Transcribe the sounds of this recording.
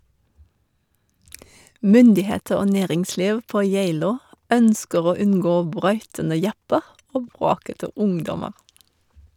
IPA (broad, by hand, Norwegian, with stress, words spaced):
ˈmʏndɪˌheːtəɹ ˈoː ˈneːʁɪŋˌsliːʋ ˈpoː ˈjæɪloː ˈœnskəʁ ˈoː ˈʉnɡoː ˈbɾœʏtənə ˈjɑpəʁ ˈoː ˈbʁoːkətə ˈʊŋdɔməʁ